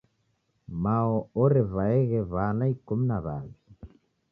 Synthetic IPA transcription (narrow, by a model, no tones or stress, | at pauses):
maɔɔɾɛvaɛɣɛβanaikum̩naβa̰βi